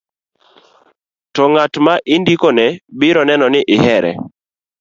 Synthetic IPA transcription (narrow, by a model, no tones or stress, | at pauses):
tɔŋatmaʔɪndikonɛbɪɾɔnɛnɔnɪʔɪhɛɾɛ̰